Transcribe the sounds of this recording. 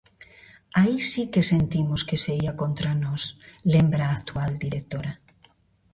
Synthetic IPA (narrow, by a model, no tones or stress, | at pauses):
aisikesent̪imoskeseiakõnt̪ɾanɔslembɾaːkt̪uald̪iɾek̚t̪oɾa